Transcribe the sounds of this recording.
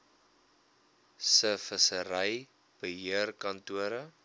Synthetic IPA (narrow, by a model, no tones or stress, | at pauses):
səfəsəɾəj | b̥əɦiərkɐntuəɾə